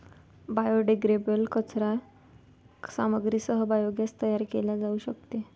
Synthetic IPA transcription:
bajoɖeɡɾebəlkət͡sɾa | saməɡɾisəɦəbajoɡjast̪əjaɾkelad͡zauɕəkt̪e

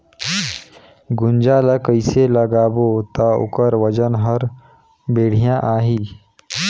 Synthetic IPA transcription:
ɡʊnd͡ʒaːləkəɪseləɡaːbot̪aʊ̰kəɾʋəd͡ʒənɦəɾ | beːɽ̤ijãʔaːɦiː

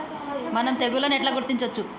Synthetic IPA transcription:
mɐnɐmt̪eɡulɐneʈlaːɡuɾt̪iɲt͡ʃot͡ʃːu

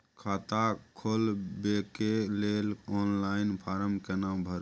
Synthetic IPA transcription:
kʰat̪akʰolbekelelɔnlainpʰaɾəmkenambʱəɾ

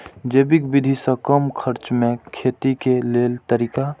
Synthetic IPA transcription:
d͡ʒeːbikbid̪ʱisə̃kəmkʰəɾt͡ʃmẽkʰet̪ikeleːlt̪əɾika

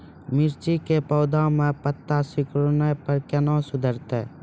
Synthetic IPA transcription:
mɪɾt͡ʃikepɔːd̪ãmẽpət̪ːasɪkɾonepəɾkɛnãːsʊd̪ʱəɾt̪ḛː

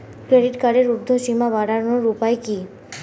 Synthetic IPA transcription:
kɾeɖiʈkaɽeɾuɾd̪ʱoʃimabaɽaɾnoɾupaeki

